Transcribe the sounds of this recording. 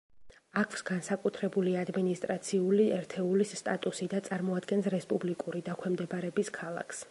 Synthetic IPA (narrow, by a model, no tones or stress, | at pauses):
akʰfsɡansakʼut̪ʰɾɛbuliad̪minist̪ʼɾat̪sʰiuliɛɾt̪ʰɛulist̪ʼat̪ʼusid̪at̪sʼaɾmɔad̪ɡɛnsɾɛspʼublikʼuɾid̪akʰwɛmd̪ɛbaɾɛbiskʰalˠa̰kʰs